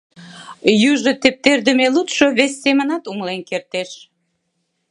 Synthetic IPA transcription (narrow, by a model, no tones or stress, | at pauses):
jyʒət̪ep̚t̪erd̪ə̆melut̪ʃoβesʲːemənɑt̪uŋlenkert̪eʃ